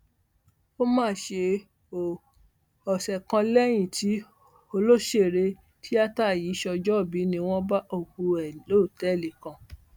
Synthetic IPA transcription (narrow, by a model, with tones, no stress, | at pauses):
o˦mãː˦˨ʃe˧ | o˨ | ɔ˨sɛ˨kã˧lɛ˦j̃ĩ˦˨ti˨˦ | o˧lo˦ʃe˦˨ɾe˧ | tʰi˦a˦ta˦˨ji˨˦ʃɔ˧d͡ʒɔ˦˨bi˨˦nĩ˧w̃ɔ̃˦ba˦ʔo˦˨ku˧ɛ˨lo˦˨tɛ˨˦˨le˨kã˧˨